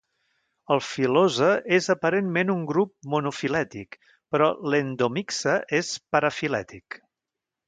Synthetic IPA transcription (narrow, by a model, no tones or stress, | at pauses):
əlˠfilozəʔezəpəɾenmenuŋɡɾup̚munufilɛt̪ḭk | pɾɔlend̪omiksəʔespəɾəfilɛ̰t̪ik